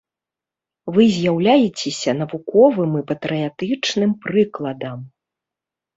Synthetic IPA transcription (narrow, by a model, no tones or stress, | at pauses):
vɨzʲjawlʲajɛt͡sʲɛsʲɐn̪ɐvukɔvɨmɨpɐt̪ɾɨjat̪ɨt͡ʂnɨmpɾɨklˠɐd̪ɐm